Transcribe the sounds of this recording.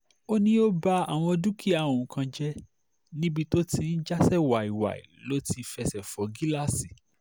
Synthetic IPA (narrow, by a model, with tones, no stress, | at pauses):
o˦nĩ˦o˦ba˦a˨w̃ɔ̃˧dũ˦ki˦a˨ũ˨kã˧d͡ʒɛ˦ | nĩ˦bi˧to˦ti˧n̩˦d͡ʒa˦sɛ˦˨wa˨i˨wa̰˨ḭ˨lo˦ti˧fɛ˧sɛ˨fɔ˨ɡi˦la˦˨si˨